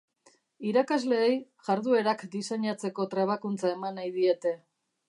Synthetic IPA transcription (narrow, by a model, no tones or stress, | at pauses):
iɾakazle̞ːjʝaɾðue̞ɾakd̪iseɲat͡se̞ko̞t̪ɾeβ̞akunt͡sae̞manajðie̞t̪e̞